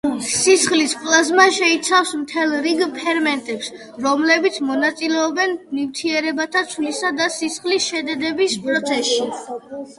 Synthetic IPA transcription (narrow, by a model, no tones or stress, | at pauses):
sisχlispʼlˠazmaʃɛit̪sʰafsmt̪ʰɛlˠɾiɡpʰɛɾmɛnt̪ʼɛps | ɾɔmlɛbit̪sʰmɔnat̪sʼilɛɔbɛnnivt̪ʰiɛɾɛbat̪ʰat̪sʰlisad̪asisχlisʃɛd̪ɛd̪ɛbispʼɾɔt̪sʰɛsʃi